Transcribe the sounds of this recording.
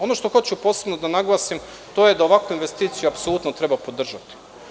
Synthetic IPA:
o̞no̞ʃt̪o̞xo̞t͡ɕupo̞ːse̞bnod̪anaɡlˠasim | t̪o̞jed̪ao̞ʋakʋoinʋe̞st̪iːt̪sijuapsolˠut̪not̪ɾe̞bapo̞d̪r̩ʒat̪i̥

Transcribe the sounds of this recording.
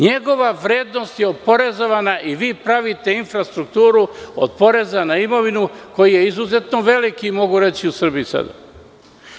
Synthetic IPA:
ɲe̞ɡo̞ʋaʋɾe̞ːd̪no̞st̪jeod̪̚po̞ɾe̞zo̞ʋanaʔiʋiːpɾaʋit̪e̞infɾast̪ɾukt̪uːɾuo̰d̪̚po̞ɾe̞zanaimo̞ʋinuko̞jije̞izuze̞t̪no̞ʋe̞likimo̞ɡuɾe̞t͡ɕiusr̩bijisa̰d̪a̰

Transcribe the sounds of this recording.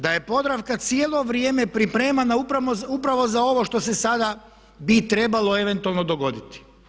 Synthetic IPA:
d̪aje̞po̞d̪ɾaʋkat̪sijelˠo̞ʋɾjeːme̞pɾipɾe̞ːmanaupɾamozupɾaʋo̞zao̞ʋo̞ʃt̪o̞se̞sad̪a | bit̪ɾe̞balˠo̞e̞ʋe̞nt̪ualˠno̞d̪o̞ɡo̞d̪it̪i̥

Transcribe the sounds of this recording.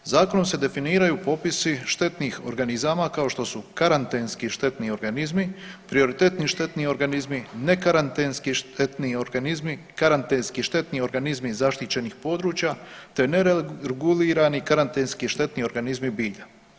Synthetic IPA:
zaːko̞no̞mse̞d̪e̞finiːɾajuːpo̞pisiʃt̪e̞t̪nixo̞ɾɡanizaːmakao̞ʃt̪o̞sukaɾant̪enskiʃt̪e̞t̪nio̞ɾɡanizmipɾio̞ɾit̪e̞t̪niʃt̪e̞t̪nio̞ɾɡanizmine̞kaɾant̪enskiʃt̪et̪nio̞ɾɡanizmi | kaɾant̪enskiʃt̪e̞t̪nio̞ɾɡanizmizaʃt̪it͡ɕe̞nixpo̞d̪ɾuːt͡ɕjat̪e̞neɾɾeɡuliːɾanikaɾant̪enskiʃt̪e̞t̪nio̞ɾɡanizmibiːʎa

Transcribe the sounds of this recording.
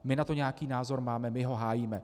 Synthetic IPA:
mɪnat̪o̞ɲɛjakiːnaːzo̞ɾmaːmɛmɪɦo̞ɦaːjiːmɛ

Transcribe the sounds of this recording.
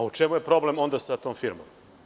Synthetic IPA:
aut͡ʃe̞muje̞pɾo̞ble̞mo̞nd̪asat̪o̞ːmfiɾmo̰m

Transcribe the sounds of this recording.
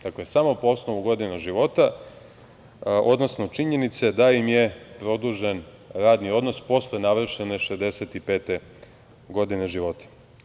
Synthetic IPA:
d̪aklesamo̞poo̞snoʋuɡo̞d̪inaʒiʋo̞t̪a | ʔo̞d̪no̞sno̞t͡ʃiɲe̞nit̪sed̪aimje̞pɾo̞d̪uːʒen | ɾaːd̪nio̞d̪no̞spo̞slenaʋr̩ʃene̞ʃezd̪e̞set̪ipeːt̪e̞ | ɡo̞d̪ineʒiʋo̞t̪ḁ

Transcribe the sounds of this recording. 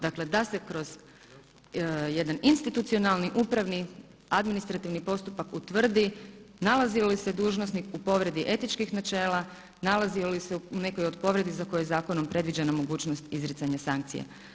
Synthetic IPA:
d̪akle̞d̪ase̞kɾo̞z̥ | jed̪aninst̪it̪ut̪sio̞nalˠniʔupɾaʋni | ad̪minist̪ɾat̪iʋnipo̞st̪upakut̪ʋr̩d̪inalaziolise̞d̪uːʒnosnikupo̞ʋɾe̞d̪iʔe̞t̪it͡ʃkixnat͡ʃe̞ːla | nalazioliseune̞kojod̪̚po̞ʋɾe̞d̪izakojojezaːko̞no̞mpɾe̞d̪ʋid͡ʒenamo̞ɡuːt͡ʃnost̪izɾit̪saɲasaŋk̚t̪sḭḛ

